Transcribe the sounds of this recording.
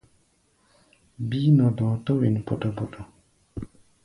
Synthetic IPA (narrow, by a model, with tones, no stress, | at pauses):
biː˦nɔ˨dɔ˨˦tɔ˦we˨n˨pɔ˨tɔ˨bɔ˨tɔ˨